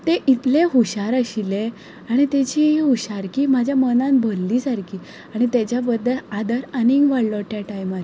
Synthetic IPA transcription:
t̪eʔit̪leɦuɕaɾəɕile | aɽ̃it̪et͡ɕiɦiɦuɕaɾkiːmad͡ʑʱjamənãnbʱəlːiːsaɾkʰiː | aɽ̃it̪at͡ɕjabəd̪ːəɭad̪əɾaniŋɡʋaɽlɔʈ̪jaʈajmaɾa

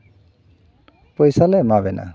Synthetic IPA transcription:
pɔjsalɛmabɛna̰

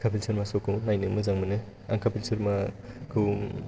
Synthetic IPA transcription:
kʰapʰilsɯɾmasokʰɯwnajnemɯzaŋmɯne | aŋkʰapʰilseɾmakʰɯw

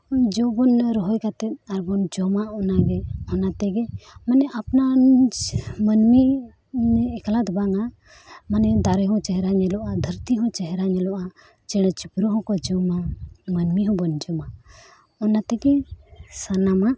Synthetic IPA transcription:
d͡ʒɔbɔnɾɔɦɔjkat̪ɛt̪̚aɾbɔnd͡ʒɔmaɔnaɡɛɔnat̪ɛɡɛmanɛʔapna | mənmi | nɛːklad̪baŋa | manɛd̪aɾɛɦɔ̃t͡ʃɛɦɛɾaɲɛlɔʔad̪ʱəɾt̪iɦɔ̃t͡ʃɛɦɛɾaɲɛlɔʔa | t͡ʃɛɽ̃ɛt͡ʃipɾuɦɔ̃kɔd͡ʒɔmamənmiɦɔ̃bɔnd͡ʒɔma | ɔnat̪ɛɡɛsanama

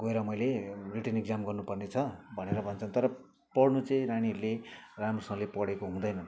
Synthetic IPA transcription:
ɡoeɾʌmʌjleriʈʌneɡ̚d͡zamɡʌrnupʌrnet͡sʰʌbʱʌneɾʌbʱʌnt͡sʰʌnt̪ʌɾʌ | pʌɽnut͡sʌ̃ĩɾaɽ̃iʌɾleramrʌsʌ̃ŋlepʌɽekoɦũd̪ʌjnʌn

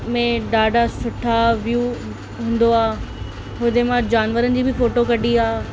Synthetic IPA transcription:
mẽɖaːɖʱasʊʈʰaʋjuː | ɦũːn̆d̪oaː | ɦʊd̪emãd͡ʑaːnʋəɾənɪ̆d͡ʑiːbʱɪfoːʈokɐɗiaː

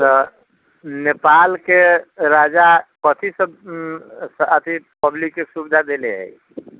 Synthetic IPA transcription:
t̪ɔ | nepalkeɾad͡ʒakət̪ʰisəb | sət̪ʰipəblikːesubd̪ʱad̪eleɦə̰ji

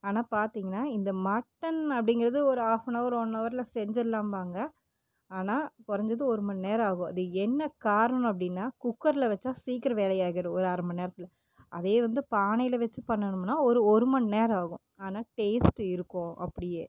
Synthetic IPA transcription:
aːnaːpaːɾt̪iːŋɡɐnːaːɪnd̪ɐmɐʈːɐnɐpːɐɽɪŋɡɪɾɐðɯɔɾɯaːfɐnɐɔɾɔnːɐʋɐɾɪlɐsɛɲd͡ʒɐlːaːmʋaːŋɡɐ | aːnaːkɔɾɐɲd͡ʒɐðɯɔɾɯmɐɳneːɾaːɣʊ̃ɐðɯɛnːɐkaːɾɐñɐp̬ːɐɽɪnːaːkʊkːɐɾlɐʋɛt͡ʃːaːsiːkɪɾɐʋeːlɐjaːɣɪɽɯ̃ɔɾɯɐɾɐmbɐneːɾɐt̪ːɪlɐ | ʔɐðeːʋɐnd̪ɯpaːnɐjɪlɐʋɛt͡ʃːɯpɐɳːɐɳɯmnːaːɔɾɯɔɾɯmɐnneːɾaːɣʊ̰̃ | aːnaːʈeːsʈɪɾɯkːʊ̃ːʔɐ̰pːɐɽɪjeː

